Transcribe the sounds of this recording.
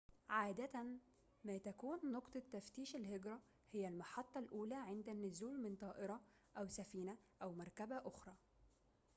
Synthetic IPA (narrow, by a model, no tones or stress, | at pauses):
ʕaːd̪æt̪æn | mæːt̪ækuːnːoqt̪ˤɑt̪ːæft̪iːʃælheɡɾˤɑ | hɪjːælmɑħɑt̪ˤːɑlʔuːlæːʕɪnd̪ænːʊzuːlmɪnt̪ˤɑːʔɪɾˤɑ | ʔæwsæfiːnæʔæwmɑɾˤkæbæʔoxɾˤɑː